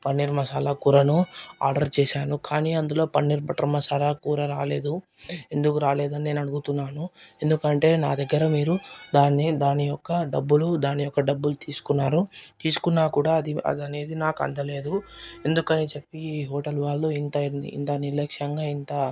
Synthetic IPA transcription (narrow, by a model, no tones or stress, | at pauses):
pɐnːiɾmɐsaːlakuːɾɐnua̰ːɾɖɐɾt͡ʃɛːʃaːnukaːniːɐnd̪ulo̞ːpɐnːiɾbɐʈɐɾmɐsaːlakuːɾɐɾaːle̞ːd̪u | e̞nd̪ukuɾaːle̞ːd̪ɐnine̞ːnɐɽuɡut̪unːaːnuend̪ukɐɳʈe̞ːnaːd̪ɐɡːɐɾɐmiːɾud̪aːnid̪aːnijɔkːɐɖɐbːulud̪aːnijɔkːɐɖɐbːulut̪iːsu̥kunːaːɾut̪iːsu̥kunːaːkuːɽaːɐd̪iɐ̰d̪ɐne̞ːd̪inaːkɐ̰ɳɖɐle̞ːd̪ue̞nd̪ukɐnit͡ʃe̞pːiɦɔːʈɐlʋaːɭːuːint̪ɐḭnt̪ɐniɾlɐkʂɐŋɡaːint̪ɐ